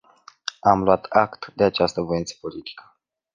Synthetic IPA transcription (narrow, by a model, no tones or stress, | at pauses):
amluat̪akt̪d̪e̞at͡ʃast̪əvo̞int̪sə̥polit̪i̥kə̥